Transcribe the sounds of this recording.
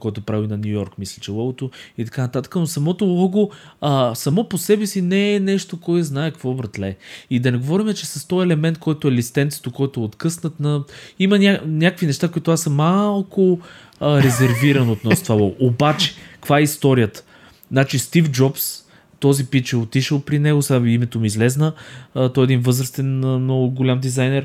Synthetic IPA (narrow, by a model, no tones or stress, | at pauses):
kɔjt̪opɾavinɐnʲujɔɾkmislʲit͡ʃɛlˠɔɡot̪oit̪ɐkanət̪at̪ə̥kənosɐmɔt̪olˠɔɡoəsɐmɔposɛbɛsinɛːnɛʃt̪okɔɛznaɛkvɔvɾət̪lɛid̪ɐnɛɡovɔɾimɛt͡ʃɛsɐst̪ɔjɛlɛmɛnt̪̚kɔjt̪ʊɛlist̪ɛnt̪sə̥t̪okɔjt̪ʊɛot̪kɤsnət̪nɐimənʲanʲakəkvinɛʃt̪akoit̪oasɐmːalˠkʊ | ɾɛzɛɾviɾɐnot̪nɔst̪vabˠɔɡʔobat͡ʃɛ̥kɐ̥kvaɛist̪ɔɾijət̪ə̥ | znat͡ʃist̪ifd͡ʒɔps | t̪ɔzipit͡ʃɛot̪iʃəlˠpɾinɛɡosaimɛt̪omiːzlɛznət̪ɔɛd̪invɤzɾəst̪ɛnənɔɡʊɡolʲamd̪izajnɛɾ